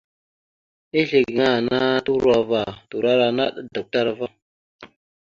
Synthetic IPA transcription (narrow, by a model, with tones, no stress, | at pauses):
i˦ɬe˨ɡŋa˦˨na˦tu˦ɾwa˦va˨tu˨ɾa˦ɾa˨na˦˨ɗda˨k̚ta˦ɾa˨va˦